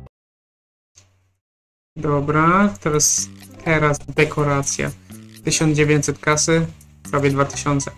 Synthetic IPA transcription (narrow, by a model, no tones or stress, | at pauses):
d̪ɔbɾat̪ɔjɛst̪ʰɛɾazd̪ɛkʰɔɾat̪sʲja̰t̪ɘɕɔnd̪d͡ʑevʲjeɲt̪ʲsɛt̪kasɘ | pɾavʲjɛd̪vat̪ɘ̥ɕɔnt̪sɛ